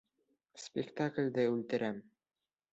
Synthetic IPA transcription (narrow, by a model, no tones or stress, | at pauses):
spʲɪkt̪aklʲd̪ɘʉlt̪ɘ̆ɾʔæm